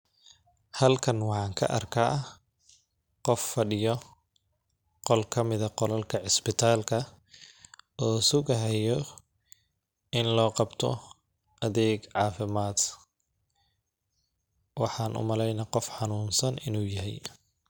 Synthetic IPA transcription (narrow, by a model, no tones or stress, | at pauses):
hɐlkʰɐnwɑħɑːŋkʰɐ̰ʔɐ̰rkʰaː | qɔfːɐɖɪjɔ | qɔlkʰɐmɪðɐqɔlɐlkʰɐʕɪsbɪt̪ʰaːlkʰɐ | ɔːsʊɣɐɦɛjɔ | ɪnlɔːqɑbt̪ʰɔ̰ | ʔɐðɛːɡʕɑːfɪmaːd̪ | wɑħɑːnʔʊ̰mɐlɛjnɐqɔfħɑnuːnsɐnɪnuːjɐɦɛ̰j